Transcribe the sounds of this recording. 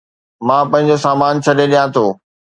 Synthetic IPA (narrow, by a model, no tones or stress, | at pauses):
mãːpɐ̃ɦɪ̃ɲ̆d͡ʑosaːmaːnt͡ɕʰɐɗeɗijãt̪ʰoː